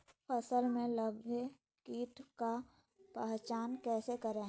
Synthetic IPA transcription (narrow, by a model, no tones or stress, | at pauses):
pʰəsəlmẽləbʱe | kiːʈʰka | pɛɦt͡ʃaːnkɛːsekəɾe